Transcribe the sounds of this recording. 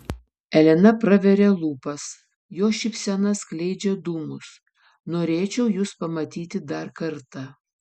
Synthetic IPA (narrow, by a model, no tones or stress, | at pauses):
ɛlʲɛnɐpɾɐʋʲɛɾʲeːlˠuːpɐs | joːʃʲɪpʲsʲɛnɐsklʲɛɪd͡ʒʲɛd̪uːmʊs | noːɾʲeːt͡ʃʲɛʊjuːspɐmɐt̪ʲiːt̪ʲɪd̪ɐɾkɐɾt̪ɑ